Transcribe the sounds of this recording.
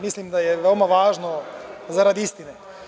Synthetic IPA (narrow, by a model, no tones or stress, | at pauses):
mislimd̪ajɛʋeomaʋaːʒnozaɾad̪iist̪ine